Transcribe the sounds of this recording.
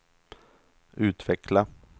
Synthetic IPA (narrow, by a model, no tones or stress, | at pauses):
ʉ̟ːt̪vɛkla